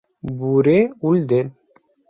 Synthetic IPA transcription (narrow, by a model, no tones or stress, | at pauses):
buɾeuld̪en